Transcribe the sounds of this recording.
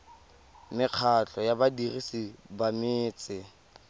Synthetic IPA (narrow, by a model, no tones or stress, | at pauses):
mɪq͡χʰat͡ɬʰʼɔjabadirisibamɪːt͡sʼɪ